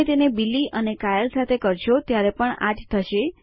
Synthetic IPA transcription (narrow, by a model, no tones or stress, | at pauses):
et̪enebilːiʔənekajəlsat̪ʰekəɾʃot̪jaɾepəɳa̰d͡ʒt̪ʰəʃe